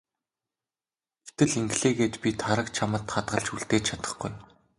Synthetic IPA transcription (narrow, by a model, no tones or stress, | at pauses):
t̪ʰɘ̆ɮiŋɡɮeːɡeːt͡ɕpʲit̪ʰaɾə̆k̚t͡ɕʰamə̆t̪χat̪ɢə̆ɮt͡ɕuɮt̪eːt͡ɕt͡ɕʰat̪ə̥̆χɡuj